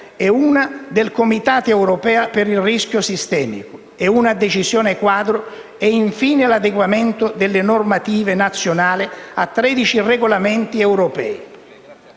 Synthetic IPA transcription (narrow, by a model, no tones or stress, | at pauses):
ɛuːnad̪elkomit̪aːt̪ɛwɾɔpɛːapɪɾilrisk̟jʊsist̪ɛːmḭkʊ | ɛunad̪et͡ʃizjɔːnekwaːd̪ɾʊ | ɛiɱfiːnelad̪eɡwamɛnt̪ʊd̪elːɪnɔrmat̪iːvenat̪sːjonaːlɪa̰t̪ːɾɛd̪it͡ʃireɡolamɛnt̪iɛwɾopɛ̰ːi